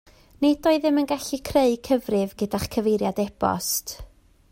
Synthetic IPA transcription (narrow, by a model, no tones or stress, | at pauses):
nedɔɨðɪmənɡaɬikʰreɨkʰəvrɪvɡədaχkʰəvejɾjadɛb̥ɔ̰st